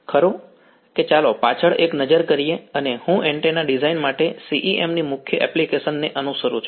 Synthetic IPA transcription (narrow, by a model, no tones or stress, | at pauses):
kʰəɾo | ket͡ʃalopat͡ʃʰəɭeknəd͡ʒəɾkəɾieənehũʔeɳʈenaɖizainmaʈesiʔiʔemnimʊkʰjəʔɛ̰plikesənːeʔənusəɾut͡ʃʰu